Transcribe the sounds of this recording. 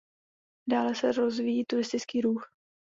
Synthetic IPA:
daːlɛsɛɾozvijiːt̪uɾɪst̪ɪt͡skiːɾuːx

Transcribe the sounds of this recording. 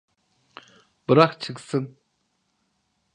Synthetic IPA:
bəɾaχt͡ɕʰək̚sən

